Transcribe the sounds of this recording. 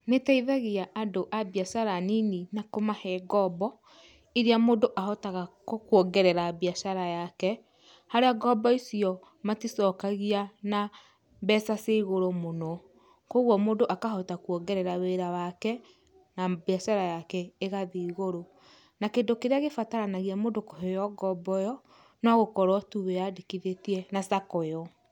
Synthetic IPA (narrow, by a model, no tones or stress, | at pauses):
netaiðaɣiaʔadoʔabiasaɾanininakomahɛɡɔbɔ | iɾeamoːndoʔahɔtaɣakwɔɡɛɾɛɾabiaaɾajakɛ | haɾeaɡɔbɔisiɔ | matisɔkaɣiana | bɛsaseɣoɾomonɔ | koɣwɔmondoʔakaɦɔtakwɔɡɛɾɛɾaweɾawakɛ | nabiaʃaɾajakɛeɣaðiiɣoɾo | nakeːndokeɾeaɣefataɾanaɣiamodokoɦejɔɡɔbɔjɔ | nwaɣokɔɾɔtuβɛjadikiðetiɛnasakɔjɔ